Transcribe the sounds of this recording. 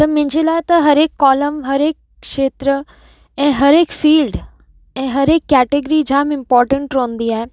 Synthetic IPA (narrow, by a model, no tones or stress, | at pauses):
t̪ɐmʊ̃ɦɪ̃ɲd͡ʑeːlaːɪt̪ɐɦɐɾeːkːɔːləmɦɐɾeːk | kʃeːt̪ɾə | ɛ̃ːɦɐɾeːkfiːlɖ | ɛ̃ːɦɐɾeːkːɛːʈeɡɾid͡ʑʱãːmɪ̃mpɔːɾʈə̃ɳʈɾõːnd̪iaːɦe